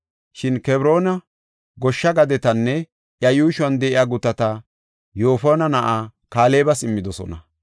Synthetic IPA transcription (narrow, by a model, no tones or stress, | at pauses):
ʃɪnkɛbɾo̞ːnɐ | ɡɔʃːɐɡɐd̪ɛt̪ɐnːɛ | ʔjɐjuːʃwɐnd̪ɛʔɪjaːɡʊt̪ːɐt̪ɐ | jo̞ːfoːnɐnɐʔaːkaːleːbɐsɪmːɪd̪ɔsɔ̰nɐ